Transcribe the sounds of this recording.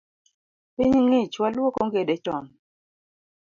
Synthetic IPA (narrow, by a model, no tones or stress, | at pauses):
piɲŋet͡ʃwalwokoŋɡedet͡ʃɔn